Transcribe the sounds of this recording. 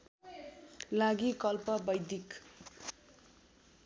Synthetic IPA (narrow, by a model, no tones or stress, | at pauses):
laɡikʌlpʌbʌjd̪ik